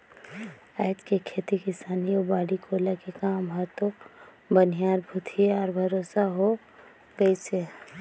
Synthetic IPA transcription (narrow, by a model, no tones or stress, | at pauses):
aɪd͡ʒkekʰeːt̪ikɪsaːniobaːɽikoːlakekaːmɦɔt̪o | bənijaːɾbʱut̪ʰieɔːɾbʱɐɾoːsaɦo | ɡəise